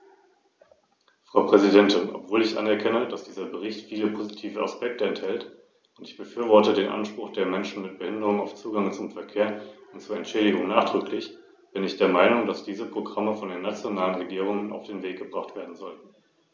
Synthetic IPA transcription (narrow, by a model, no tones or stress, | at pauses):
fʁ̥aʊpʁ̥ɛzidɛntɪnʔɔ̰pv̥oːlɪçʔa̰nɛɐkʰɛnəd̥asd̥iːzɐbəʁɪçtfiːləpʰozitʰiːvəa̰spɛk̚təɛnthɛlt | ʊntɪ̥çb̥əfyːɐvɔɐtədeːnʔa̰nʃpʁ̥ʊχd̥eːɐmɛnʃn̩mɪt̚b̥əhɪndəʁʊŋaʊft͡suːɡaŋt͡sʊmfɛɐkʰeːɐʊntt͡suːɐɛntʃɛːdɪɡʊŋnaːχd̥ʁʏklɪç | b̥ɪnɪçd̥eːɐmaɪnʊŋd̥asd̥iːzəpʁ̥oɡʁaməfɔndeːnat͡sjonaːlənʁeɡiːʁ̞ʊŋəna̰ʊfd̥eːnveːk̚ɡ̥əbʁaχtv̥eːɐdn̩zɔltn̩